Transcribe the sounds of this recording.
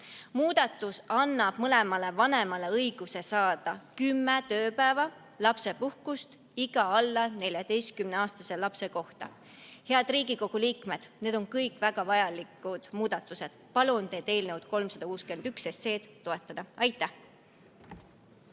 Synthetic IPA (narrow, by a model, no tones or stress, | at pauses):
muːd̪̥ɑt̪ːˑusɑnːɑb̥̚mɤle̞mɑle̞vɑne̞mɑle̞ɤjɡ̥use̞sɑːd̪̥ɑkymːet̪ø̞ːpæevɑ | lɑpse̞puhkust̪ | iɡ̥ɑɑlːɑne̞lʲjɑd̪̥e̞jst̪̚kymneɑːst̪ɑse̞lɑpse̞ko̞ht̪ɑ̰ | he̞ɑd̪̥riːɡiko̞ɡ̥uliːkme̞d̪̥ne̞ːd̪o̞ŋkɤjkˑvæɡ̥ɑvɑjɑlikːˑud̪̥muːd̪̥ɑt̪ːˑuse̞d̪̥pɑlunt̪e̞ːd̪̥e̞ːlnewd̪̥ko̞lmsɑd̪̥ɑkuːskyenykse̞sːe̞ːt̪t̪ːo̞e̞t̪ːˑɑd̪̥ɑɑjt̪ːˑæh